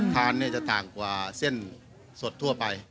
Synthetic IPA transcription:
t̪ʰaː˧nːiː˥˩t͡ɕa˧˩t̪aː˨˩ŋkwaː˧se˥˨n | so˨˧˩t̪ʰːu˥˩ɐpa˧j

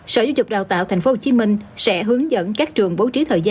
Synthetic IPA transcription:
səː˧˩zaː˨˧wzʊ˨˩k͡p̚ɗaː˨˩wt̪a̰ː˧˨t̪ʰa˨˩j̟fo˨˦˥ho˧t͡ɕi˨˦mï˧ŋ̟sɛ̰˧˥ɦɨ˨˦əŋzə̰˧˥˨nkaː˦˥k̚t͡ɕɨ˨˩əŋɓo˨˦wt͡ɕi˨˦t̪ʰəː˨˩jza˧

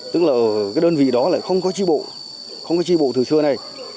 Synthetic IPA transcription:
t̪ɨ˦˥k̚laː˨˩ʔə˨˩kaː˨˦jɗəː˧nvḭ˧˨ɗɔ˨˦la̰ː˧˨jxə˧wŋ͡mkɔ˨˦t͡ɕi˧ɓo̰˧˨ | xə˧wŋ͡mkɔ˨˦t͡ɕi˧˩ɓo̰˧˨t̪ʰɨ˨˩sɨ˧əna˨˩j

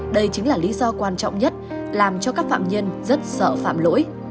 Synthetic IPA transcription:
ɗə˧jt͡ɕï˨˦ŋ̟laː˨˩li˨˦zɔ˧kwaː˧nt͡ɕɔ̰˧˨wŋ͡mɲə˦˥t̚ | laː˨˩mt͡ɕɔ˧kaː˦˥k̚fa̰ː˧˨mɲə˧nzə˦˥t̚sə̰ː˧˨fa̰ː˧˨mlo̰˧˥j

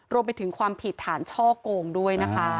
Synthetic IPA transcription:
ɾu˧əmpa˧jt̪ʰɯ˩˦ŋkʰwaː˧mpʰi˨˩t̪ʰːaː˩˦nt͡ɕʰɔː˥˩koː˧ŋdu˥˩əjna˦˥kʰa˦˥

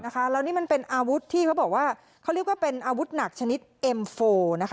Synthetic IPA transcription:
na˦˥kʰa˦˥ɾa˧wniː˦˥ma˧npe˧nʔaː˧wu˦˥t̪ʰːiː˥˩kʰa˦˥wbɔː˨˩k̚waː˥˩ | kʰa˦˥wɾi˥˩k̚waː˥˩pe˧nʔaː˧wu˦˥t̪̚na˨˩k̚t͡ɕʰa˧ni˦˥t̪̚ʔe˧mfoː˧na˦˥kʰ

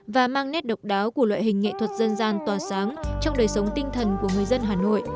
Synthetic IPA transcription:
vaː˨˩maː˧ŋnɛ˦˥t̚ɗə˨˩wk͡p̚ɗaː˨˦wku˧˩əlwa̰ː˧˨jɦï˨˩ŋ̟ːŋḛ˧˨t̪ʰwə˨˩t̚zə˧nzaː˧nt̪waː˨˩saː˨˦ŋt͡ɕɔ˧wŋ͡mɗəː˨˩jsə˨˦wŋ͡mt̪ï˧ŋ̟t̪ʰə˨˩nku˧˩əŋɨ˨˩əjzə˧nɦaː˨˩no̰˧˨jʔ

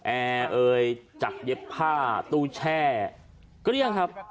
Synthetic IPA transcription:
ʔɛː˧ʔɤː˧jt͡ɕa˨˩k̚je˦˥pʰːaː˥˩t̪uː˧t͡ɕʰɛː˥˩ | kɾi˥˩əŋkʰa˦˥p̚

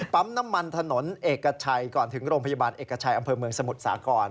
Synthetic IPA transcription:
pa˦˥mna˦˥mːa˧nt̪ʰa˧no˩˦nʔeː˨˩kkːa˧t͡ɕʰa˧jkɔː˨˩nt̪ʰɯ˩˦ŋɾoː˧ŋpʰa˧jaː˧baː˧nʔeː˨˩kːa˧t͡ɕʰa˧jʔa˧mpʰɤː˧mɯ˧əŋsa˧mu˨˩t̪̚sa̰ː˩˦kɔː˧n

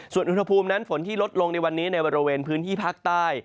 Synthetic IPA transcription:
su˨˩ənʔu˧nha˧pʰuː˧mna˦˥nfo˩˦nt̪ʰiː˥˩lo˦˥t̪̚lo˧ŋna˧jwa˧nːiː˦˥na˧jbɔː˧ɾi˧weː˧npʰɯː˦˥nt̪ʰiː˥˩pʰaː˥˩k̚t̪aː˥˩j

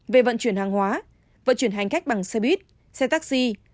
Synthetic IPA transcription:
ve˨˩və̰˧˨nt͡ɕwi˧˩ənhaː˨˩ŋhwaː˨˦ | və̰˧˨nt͡ɕwi˧˩ənɦa˨˩jŋ̟ka˦˥jk̚ɓa˨˩ŋsɛ˧ɓwi˦˥t̚ | sɛ˧t̪aː˦˥k̚si˧

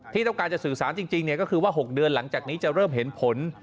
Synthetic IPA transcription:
t̪ʰiː˥˩t̪ɔ˥˩ŋkaː˧nt͡ɕa˨˩sɯː˨˩saː˩˦nt͡ɕi˧ŋt͡ɕi˧ŋni˩kɔː˥˩kʰɯː˧waː˥˩ɦo˨˩k̚dɯ˧ənla˩˦ŋt͡ɕaː˨˩k̚niː˦˥t͡ɕa˨˩ɾɤː˥˩mɦe˩˦npʰo˨˩˦n

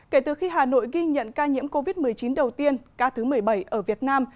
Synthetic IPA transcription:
ke˧˩t̪ɨ˨˩xi˧ɦaː˨˩no̰˧˨jɣi˧ɲə̰˧˨nkaː˧ɲḭ˧˥əmko˧vi˦˥t̚mɨ˨˩əjt͡ɕi˨˦nɗə˨˩wt̪i˧ənkaː˧t̪ʰɨ˨˦mɨ˨˩əjɓə˧˩jʔəː˧˩vi˨˩ət̚naː˧m

